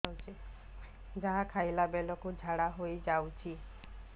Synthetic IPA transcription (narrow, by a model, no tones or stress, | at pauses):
wt͡ʃʰi | d͡ʒaɦakʰajlabelɔkud͡ʒʱaɽaɦojd͡ʒawt͡ʃʰi